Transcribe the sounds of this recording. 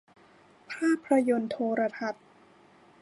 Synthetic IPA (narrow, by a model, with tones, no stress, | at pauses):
pʰaː˥˩pʰːɾa˧jo˧nt̪ʰoː˧ɾa˧t̪ʰa˨˩t̪̚